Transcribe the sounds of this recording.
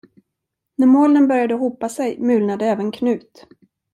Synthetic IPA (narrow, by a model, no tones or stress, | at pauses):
næɾmoːlənbœɾjad̪əɦuːpːasɛjmʉ̟ːlnad̪əɛːvənkʰnʉ̟ːt̪